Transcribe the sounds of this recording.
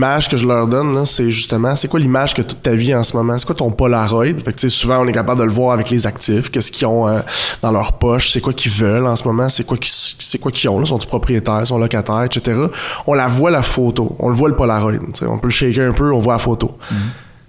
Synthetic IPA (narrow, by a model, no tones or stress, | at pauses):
maʒkəʒəlœːʁd̪ɔnlʌseʒyst̪əmãsekwalimaʒ̥kət̪ʊt̪ːaviɑ̃səmɔmãse̥kwat̪ɔ̃pɔlaʁɔjd̪fakt͡sesuvãɔ̃nɛkapabld̪ələvwɑːʁavɛklezak̚t̪ɪfkʲəsə̥kʲiɔ̃ød̪ɑ̃lœːʁpɔʃsekwakʲivœlɑ̃smɔmãsekwakʲi̥ssekwakʲʰiɔ̃lɔsɔ̃t̪y̥pχɔpʁijet̪ɛːʁsɔ̃lɔkat̪ɛːʁɛʃet̪eʁɑɔ̃lavwalafot̪o̰ɔ̰̃ləvwaləpɔlaʁɔjd̪t͡sḛɔ̰̃pøləʃekeɛ̃pøɔ̃vwalafoːt̪o